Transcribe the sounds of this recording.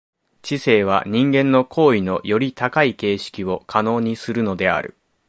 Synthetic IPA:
t͡ɕise̞ːβ̞a̰ɲ̟ĩŋɡẽ̞nːo̞kʰo̞ːino̞̰jo̞ɾʲit̪akaike̞ːɕi̥kʲio̞kʰano̞ːɲ̟isɨɾɯ̟no̞d̪e̞a̰ɾɯ̟̰

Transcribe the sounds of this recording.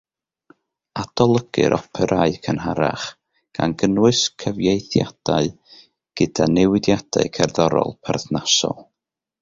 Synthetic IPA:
ad̥ɔlˠəɡ̥ɨ̰ɾʔɔpʰɛɾʔaɨkʰənɦaɾa̰χ | ɡ̥anɡənwɨskʰəvjejθjad̥aɨ | ɡ̥ɨd̥anɛwɪdjad̥a̰ɨkʰɛrðɔɾɔ̰lˠpʰɛrθnasɔ̰lˠ

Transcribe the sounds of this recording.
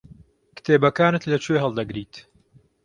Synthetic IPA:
kɨ̥t̪ʰeːbɐkaːnɨt̪lɐt͡ʃʰejɦɐlˠd̪ɐɡɾiːt̪

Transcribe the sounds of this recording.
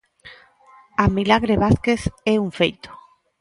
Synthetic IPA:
amilaɣɾeβaθkeθeuɱfejt̪o̥

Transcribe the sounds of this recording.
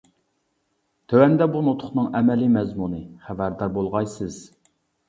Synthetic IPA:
t̪ʰøwɛnd̪ɛbunot̪ʰʊχnɨŋɛmɛlimɛzmunɨχævæɾd̪ɑɾbolˠʁɑjsɨz̥

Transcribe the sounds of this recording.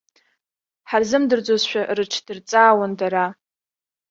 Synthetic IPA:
ħarzɨmdɨrd͡zozʃʷᶣarɨʈ͡ʂʰd̥ɨrt͡sʼaːwandaɾa

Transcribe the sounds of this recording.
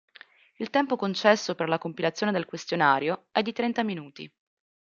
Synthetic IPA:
ilt̪ɛmpokont͡ʃɛsːoperlakompilat̪sjoːned̪elkwest̪jonaːɾjoɛd̪ːit̪ɾɛnt̪aminuːt̪ḭ

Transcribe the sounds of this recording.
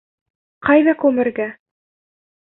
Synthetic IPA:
qɑjðɑkʉmɘ̆ɾɡæ

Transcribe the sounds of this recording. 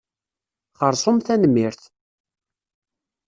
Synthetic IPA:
χəɾˤsˤomθænəmːiɾθ

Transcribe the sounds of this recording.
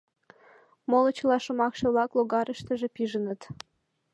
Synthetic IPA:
molə̆t͡ɕəlɑʃŏmɑkʃɤ̆βlɑkloɣɑɾəʃt̪əʒĕpiʒənət̪

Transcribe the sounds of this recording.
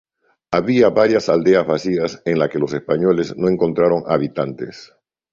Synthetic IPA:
aβiaβaɾjasald̪e̞azβasiaseŋlake̞lo̞se̞spaɲo̞le̞zno̞ẽ̞ŋko̞nt̪ɾaɾo̞ŋa̰βit̪ant̪e̞̰s

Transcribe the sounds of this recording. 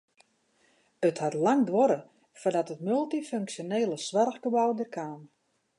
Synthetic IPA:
əthatlaŋdʋɔɾə | fɔrdɔtətmylˠtiføŋksjoneːləsʋarxɡəbɔwdərkʰaːn

